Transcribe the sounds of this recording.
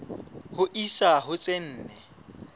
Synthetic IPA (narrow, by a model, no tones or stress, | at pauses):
hʊʔisaɦʊt͡sʼen̩ːnɛ